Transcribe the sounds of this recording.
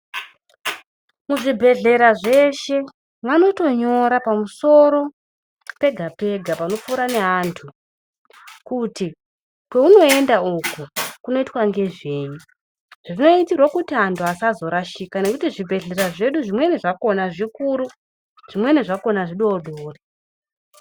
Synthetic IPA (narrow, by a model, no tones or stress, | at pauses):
muʐibʱe̞ɮe̞ɾaʐe̞ʃe̞ | ʋano̞to̞ɲo̞ɾapamuso̞ɾo̞ | pe̞ɡʱape̞ɡʱapano̞p͡fuːɾane̞ɦaːntʰu | kuti | kwe̞uno̞e̞ndaukukuno̞itwaŋɡe̞ʐeːju | ʐ̥ino̞itirwakutiɦantʰuasazo̞ɾaʃikane̞kutiʐibʱe̞ɮe̞ɾaʐe̞ɗuʐimwe̞neʐako̞naʐikuɾu | ʐ̥imwe̞neʐako̞naʐiɗoɗʱoːri